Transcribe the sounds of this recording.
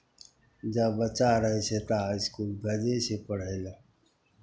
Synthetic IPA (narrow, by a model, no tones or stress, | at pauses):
d͡ʒabət͡ʃaɾəɦiset̪aɪskuːlɡʱəd͡ʒesepəɽ̤ele